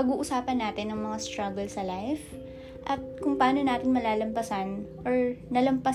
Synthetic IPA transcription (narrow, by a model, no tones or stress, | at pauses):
ɐɡuːʔʊsaːpɐnːaːt̪ɪnːɐŋmɐŋast̪ɾaɡɛlsɐlajf | ʔɐt̪̚kʊŋpɐaːno̞naːt̪ɪŋmɐlaːlɐmpɐsanʔoɹnɐlɐmpɐ